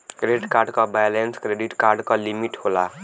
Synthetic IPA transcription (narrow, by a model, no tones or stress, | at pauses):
kɾeɖkarɖkabajlenskɾeɖiʈkarɖkalimiʈhola